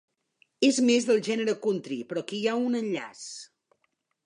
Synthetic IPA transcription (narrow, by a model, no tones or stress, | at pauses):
ezmezðəlˠʒɛnəɾəkunt̪ɾipɾɔkijaunənʎa̰s